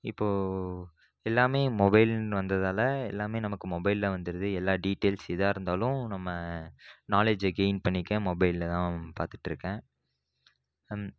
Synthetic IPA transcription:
ɪ̰pːoː | ɛlːaːmeːmɔbɐɪlʋɐnd̪ɐðaːlɐɛlːaːmeːnɐmɐkːɯmɔbɐɪlːɐʋɐnd̪ɯɾɐðɯɛlːaːɖiːʈːeːlsɪðaːɪɾɯnd̪aːlʊ̃nɐmːɐnaːled͡ʒɐɡeɪnpɐɳːɪkːɛ̃ːmɔbɐɪllɐt̪ãːpa̰ːɾt̪ɯ̥ʈːɪɾɯkːẽː

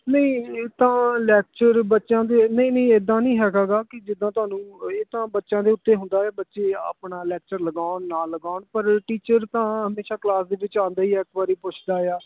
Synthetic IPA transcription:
nəĩeːt̪ãːlɛːk̚t͡ʃəɾbətːʃãːd̪eːnəĩːnə̃ĩːed̪ːãːnĩːɦɛːɡaːɡaːkɪd͡ʒɪd̪ːãːt̪ʊaːnũːeːt̪ãːbətːʃãːd̪eːʊt̪ːeːɦʊ̃nd̪aːjaːbətːʃeːa̰ːpɳaːlɛːk̚t͡ʃəɾləɡaːʊnːaːləɡaːnpəɾʈiːt͡ʃəɾt̪ãːɦəmeːʃaːklaːsd̪eːʋɪt͡ʃãːnd̪aːiːɛːkbaːɾiːpʊt͡ʃʰd̪aːjaː

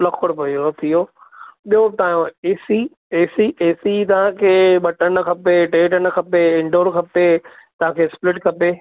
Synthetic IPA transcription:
lɐkʰəɽpɐiot̪ʰijoː | ɓijɦot̪ɐãjõeːsi | eːsiʔeːsit̪ɐʋ̤ãkʰeːɓɐʈənɐkʰɐpeʈeːʈənɐkʰɐpeɪ̃ɳɖoːɾkʰɐpet̪ɐʋ̤ãːkʰeːsplɪʈkʰɐpeː

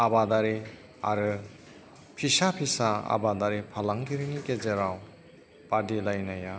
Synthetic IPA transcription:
abadaɾi | a̰ɾɯ | pʰisapʰisaa̰badaɾipʰalaŋkiɾinikezeɾaw | padilajnaja

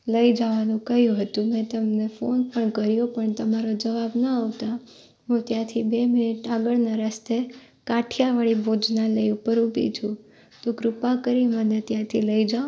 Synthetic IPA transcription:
ləid͡ʒaʋanũkəjũɦət̪ũmɛ̃t̪əmnefonpəɳkəɾjopəɳt̪əmaɾod͡ʒəʋabnəaʋt̪a | ɦũt̪jãt̪ʰibemɪnɪʈaɡəɭnaɾast̪e | kaʈʰjaʋəɭibʱod͡ʒnaləiupəɾupḭt͡ʃʰũ | t̪oɡɾupakəɾimənet̪jãt̪ʰiləid͡ʒa

